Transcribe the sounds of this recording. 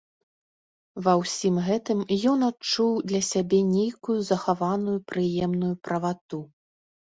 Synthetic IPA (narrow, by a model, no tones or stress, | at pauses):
vɐwsʲimɣɛt̪ɨmjɔnat̚t͡ʂuwd̪lʲɐsʲabʲɛnʲejkujuzɐxavanujupɾɨjɛmnujupɾɐvat̪u